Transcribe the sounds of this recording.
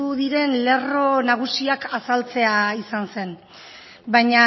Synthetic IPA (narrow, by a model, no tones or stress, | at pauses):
uðiɾe̞nle̞ro̞naɣ̞usiakasalt͡se̞aisanse̞n | bajɲa